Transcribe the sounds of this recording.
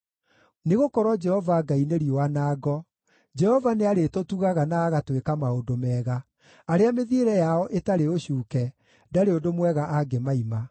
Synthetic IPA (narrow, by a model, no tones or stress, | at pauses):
neɣokɔɾwɔd͡ʒɛhɔvaɡaineɾiowanaːɡɔ | d͡ʒɛhɔvaneaɾetotuɣaɣanaːɣatwekamaodomɛːɣa | aɾeameðieɾɛjaɔʔetaɾeoɕuːkɛ | daɾeodomwɛɣaʔaɡemaima